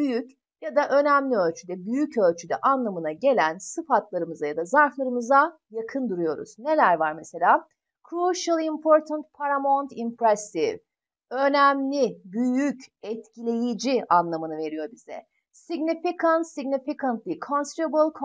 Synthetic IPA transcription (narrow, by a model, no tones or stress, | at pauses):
byjyc | jad̪aʔø̞næmlʲiø̞lʲt͡ʃʰyd̪ɛbyjycø̞lʲt͡ʃʰyd̪ɛʔanlˠamɯnaɟe̞lʲænsɯfat̪lˠaɾɯmɯzajad̪azaɾflˠaɾɯmɯza | jakʰɯnd̪uɾujo̞ɾṵz̥ne̞lʲæɾvaɾmese̞lʲaː | kɾuʃalˠimpʰoɾt̪ʰant̪̚pʰaɾamont̪ʰimpɾɛsiv | ø̞næmlʲibyjycɛt̪cʰilʲe̞jid͡ʒianlˠamɯnɯve̞ɾijo̞bizɛ̰ | siɡnifikʰant̪siɡnifikʰant̪lʲˠikʰonsɾebɯlˠkʰ